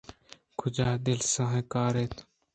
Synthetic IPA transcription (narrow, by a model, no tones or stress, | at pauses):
kʰʊd͡ʒaːd̪ɪlsãɦẽːkaːɾeːt̪ʰ